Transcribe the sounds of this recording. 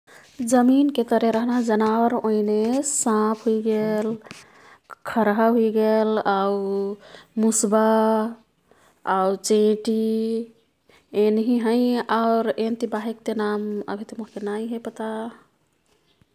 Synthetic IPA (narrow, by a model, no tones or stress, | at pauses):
d͡ʒəminket̪əɾeɾəɦnaɦd͡ʒənawəɾoinesãpʰɦuiɡel | kʰəɾɦaɦuiɡelau | musba | aut͡ʃẽʈi | enɦiɦəɪaɾent̪ibaɦek̚t̪enamə̰bʱit̪emoɦkenaiɦepət̪a